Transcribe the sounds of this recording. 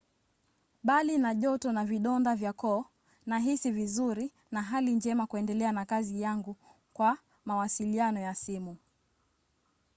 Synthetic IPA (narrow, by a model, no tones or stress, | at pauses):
ɓalinaʄɔtɔnaviɗɔndavjakɔː | naɦisivizuɾi | naɦalind͡ʒɛmakuɛndɛlɛanakazijaŋɡu | kwa | mawasilianɔjasimu